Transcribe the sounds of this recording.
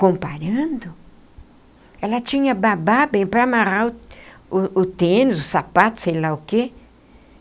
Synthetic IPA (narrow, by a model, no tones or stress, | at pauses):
kõmpaɾɐ̃nd̪ʊ | ɛlɐt͡ʃĩɲɐbababẽj̃pɾɐmaɾaʊʊʊt̪ẽnɪzʊsapat̪ʊ̥sejlaʊke